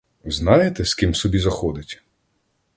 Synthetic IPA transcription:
znɑjet̪ɛskimsɔbʲizɐxɔd̪ɪtʲ

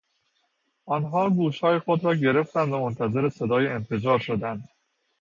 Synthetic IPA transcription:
ʔɒnɦɒːɡuːʃhɒːjexo̞d̪ɾɒːɟe̞ɾe̞ft̪ænd̪væmont̪ʰæze̞ɾe̞se̞d̪ɒːjeenfe̞d͡ʒɒːɾʃo̞d̪ænd̪̥

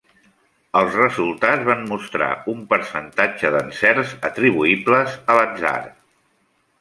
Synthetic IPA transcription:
əlˠzrəzulˠt̪ad͡zzβammust̪ɾa̰umpəɾsənt̪ad͡ʒəðənsɛrzət̪ɾiβ̞uibləzələdza̰ɾ

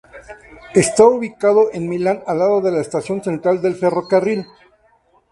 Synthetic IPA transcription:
e̞st̪auβikaðoʔenmilanalaðo̞ðe̞laest̪asjo̞nse̞nt̪ɾald̪e̞lfe̞ro̞karil

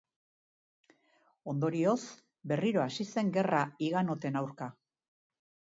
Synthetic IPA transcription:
o̞nd̪o̞ɾio̞s | be̞riɾo̞asise̞ŋɡe̞raiɣano̞t̪e̞nawɾka

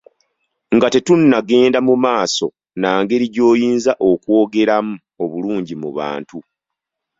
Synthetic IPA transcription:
ŋɡate̞tunːaɡe̞ːndamumaːso̞ | naːŋɡe̞ɾiɟo̞ːjiːnzaʔo̞kwo̞ːɡe̞ɾamu | o̞βuluːɲɟimuβa̰ːntu

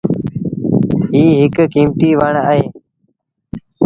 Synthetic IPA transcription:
ɦiːɦɪkkiːmʈ̪iːʋaɳəːɦeː

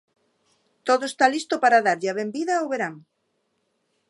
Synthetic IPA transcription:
t̪oðoest̪alist̪opaɾaðaɾʎaβembiðaoβeɾaŋ

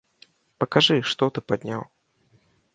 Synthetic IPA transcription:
pɐkaʐɨʂt̪ɔt̪ɨpad̪ʲnʲaw

